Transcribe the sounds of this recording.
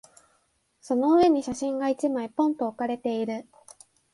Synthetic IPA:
so̞no̞ɯ̟e̞ɲ̟iɕaɕĩŋɡait͡ɕimaipõ̞nt̪o̞ːkaɾe̞t̪e̞iɾɯ̟

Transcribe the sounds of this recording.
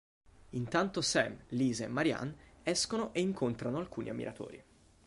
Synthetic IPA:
int̪ant̪osɛ̰mliːzeemːaɾja̰nɛskonoʔeiŋkont̪ɾanoalkuːnʔia̰mːḭɾʔat̪o̰ːɾḭ

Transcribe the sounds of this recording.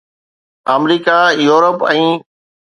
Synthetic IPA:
aːmɾiːkajuːɾəpɛ̃ː

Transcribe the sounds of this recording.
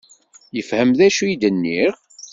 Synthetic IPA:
jəfhəmðæʃuid̪ənːiʁ

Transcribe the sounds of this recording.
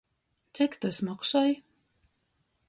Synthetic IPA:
t̪sʲɛkt̪asmaksɔj

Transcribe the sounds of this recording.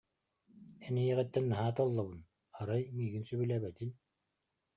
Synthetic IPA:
ɛnijɛʁɛt̪ːɛnːaɦaːt̪ɔlˠːabɯn | aɾajmiːɡinsyβylæːbɛt̪in

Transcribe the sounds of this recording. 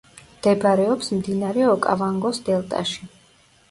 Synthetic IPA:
md̪̥ɛbɾɛɔpsmd̪inaɾɛɔkʼavaŋɡɔsd̪ɛlˠt̪ʼa̰ʃi

